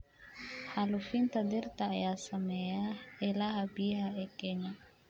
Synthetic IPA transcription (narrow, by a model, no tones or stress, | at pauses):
halufint̪ad̪irt̪ajasamɛaɛlaɦabiɦaɛkɛɲa